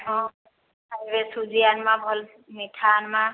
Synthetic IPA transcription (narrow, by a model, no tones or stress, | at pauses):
ɔ̃ | aibɛsuzianmabʱɔl | mitʰaːnma